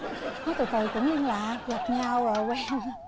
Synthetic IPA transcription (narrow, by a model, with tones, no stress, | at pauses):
n˨˦jt̪ṵ˧˨jt̪ʰə˨˩jkʊ̰˧˥ŋ͡mɲə˧ŋlaː˨ɣa˨˩p̚ɲa˧wəː˨˩kwɛː˧ŋ